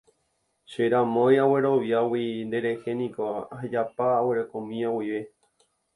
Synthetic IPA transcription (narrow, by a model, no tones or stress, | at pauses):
ʃeɾãmõjawe̞ɾo̞ʋjawind̪e̞ɾe̞he̞nĩkoɦed͡ʒapaːweɾekõmĩawiʋe̞